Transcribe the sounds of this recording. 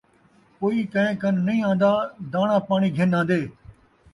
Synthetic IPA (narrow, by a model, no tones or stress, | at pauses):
koːiːkə̃ɦẽːkənːəĩːãːnd̪aːd̪aːɳãːpaːɳ̃iːɡʱɪnãːn̆d̪eː